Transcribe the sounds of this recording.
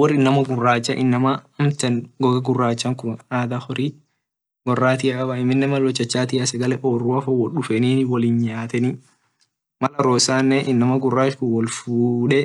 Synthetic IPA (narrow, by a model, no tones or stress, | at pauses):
wɔɾɪnːɐmɐɡʊrːaːt͡ʃːɐʔɪnːɐmaɐmt̪ɐnɡɔɡɐɡʊrːaːt͡ʃːɐŋkʊnaːd̪aːhɔɾi | ɡɔrːaːt̪ɪɐkʼɐbɐɪmːɪnːɛmɐlwɔt͡ʃːɐt͡ʃːaːt̪ɪɐsɐɡɐlɛʔoːrːuɐfɐwɔᶑʊfɛniːnwɐliːnɲaːt̪ɛni | mɐlɐɾoːsaːnːɛʔɪnːɐmɐɡʊrːaːt͡ʃkʊnwɔlfuːᶑɛ